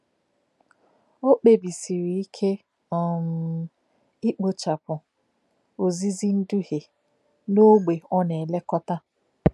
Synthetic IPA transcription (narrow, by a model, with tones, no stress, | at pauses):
o˦k͡pe˨bi˨si˨ɾi˨i˦kʰe˦ | ɔ˨m̩˨ | i˦k͡po˨t͡ʃa˨pʊ˨ | o˨zi˦zi˦n̩˦du˦he˨ | no˦ɡ͡be˨ɔ˦ne˨le˦kɔ˦ta˦